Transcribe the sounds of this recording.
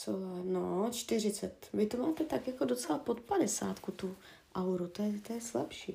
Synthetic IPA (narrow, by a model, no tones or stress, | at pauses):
sovanot͡ʃt̪ɪr̝ɪt͡sɛt̪vɪt̪omaːt̪ɛt̪akjakodo̞t͡sɛlapo̞t̪padɛsa̰ːt̪kut̪u | ʔawɾut̪ojɛt̪ojɛslɛpʃiː